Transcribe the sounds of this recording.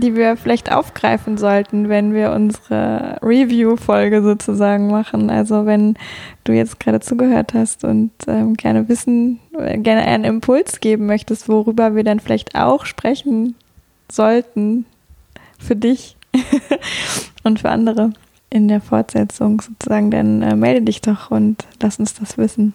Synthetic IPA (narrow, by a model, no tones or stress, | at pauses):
d̥iːviːɐfɪlaɪçtʔa̰ʊfɡ̥ʁaɪfn̩zɔltn̩vɛnviːɐʔʊ̰nzəʁə̰ʁivjuːfɔlɡəzoːt͡suzaːɡŋ̩maχn̩ʔa̰lzovɛnd̥uːjɛ̰t͡stɡ̥ʁaːɾət͡suːɡəhøːɐthastʊ̰ntʔɛ̰ːmɡɛɐnəvɪsn̩ɛ̰ɡɛɐnəʔa̰ɪnənɪmpʰʊlsɡ̥eːbm̩mœçtəstv̥oʁyːbɐviːɐdanfɪla̰ɪçta̰ʊxʃpʁ̥ɛçn̩ | z̥ɔltn̩ | fyːɐdɪç | ʔʊntfyːɐʔa̰ndəʁə | ʔɪndeːɐfɔɐtz̥ɛt͡sʊŋzoːt͡suzaːɡŋ̩da̰nʔɛ̰ːmɛldədɪçd̥ɔχʔʊntlastʊnsd̥asv̥ɪsn̩